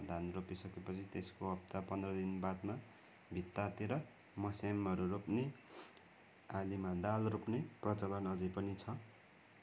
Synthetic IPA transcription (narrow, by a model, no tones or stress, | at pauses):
d̪ʱanropisʌkepʌt͡sʰit̪eskoʌp̚t̪apʌnd̪rʌd̪inbad̪ma | bʱit̪ːat̪eɾʌ | mʌsamɦʌɾuropne | alimad̪alropneprʌt͡sʌlʌnʌd͡zʌpʌnit͡sʰʌ